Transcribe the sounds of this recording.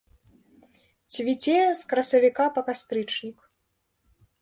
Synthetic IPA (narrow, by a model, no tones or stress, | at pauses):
t͡sʲvʲit͡sʲɛjskɾɐsɐvʲikapɐkast̪ɾɨt͡ʂnʲik